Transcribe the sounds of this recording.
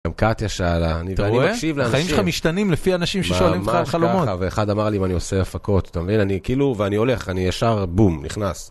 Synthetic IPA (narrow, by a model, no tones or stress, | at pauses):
amkat̪jaʃalaniveannimaekʃivleanχaimʃamiʃt̪animlefianaʃimʃeʃoalimmtaχalomotaveːχad̪amaʁliimanioseafako̞tat̪amevinanikiːluveanio̞le̞χanijaʃaʁbumniχnas